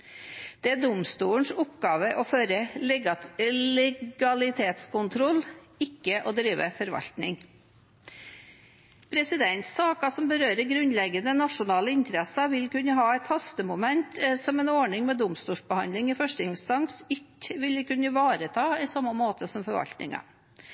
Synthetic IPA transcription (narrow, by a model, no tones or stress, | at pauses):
d̪̥ɛæɖ̪ʊmst̪uːəɳ̩ʂʊpɡɑːʋəʔɔføːɾəlɛɡɑlɛɡɑlɪt̪ʰeːt̪skʊnt̪ʰɾɔl | ɪkːəʔɔd̪ɾiːʋə̰fɔɾʋɑ̰lt̪nɪŋ | pʰɾɛsɪd̪ɛnt̪sɑːkɑsɔmbəɾøːɾəɾɡɾʉnlɛɡːənənɑʂʊnɑːləɪnt̪ɾɛsɑʋɪlkʉnːəɦɑːæɪt̪hɑst̪əmʊmɛnt̪sɔmɛnɔɳɪŋmɛd̪ʊmst̪uːʂbəhɑnlɪŋɪfœʂʈɪŋst̪ɑŋsɪt̪ʋɪləkʉnəʋɑːɾət̪ʰɑːɪsɑmːɑmoːt̪əsɔmfɔɾʋɑ̰lt̪nɪ̰ŋɑ̰